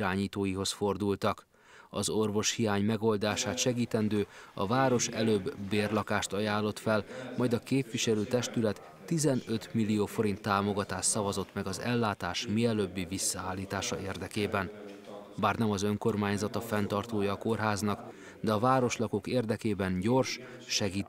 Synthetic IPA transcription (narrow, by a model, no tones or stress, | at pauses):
aːɲiːt̪oːjiɦo̞sfo̞rd̪ult̪ɒk | ɒzo̞rvo̞ʃhijaːɲmɛɡo̞ld̪aːʃaːt̪ʃɛɡiːt̪ɛnd̪øːɒvaːɾo̞ʃɛløːbːeːrlɒkaːʃt̪ɒjaːlːo̞t̪fɛlmɒjd̪ɒkeːpʋiʃɛløːt̪ɛʃt̪ylɛt̪ːizɛnø̞t̪milːijoːfo̞ɾint̪ːaːmo̞ɡɒt̪aːʃt̪sɒvɒzo̞t̪mɛɡɒzɛlːaːt̪aːʃmiɛløːbːivisːɒaːlːiːt̪aːʃɒeːrd̪ɛkeːbɛnbaːrnɛmɒzø̞ŋko̞rmaːɲzɒt̪ɒfɛnt̪ɒrt̪oːjɒːko̞rɦaːznɒk | d̪ɛɒvaːɾo̞ʃlɒko̞keːrd̪ɛkeːbɛnɟo̞rʃ | ʃɛɡiː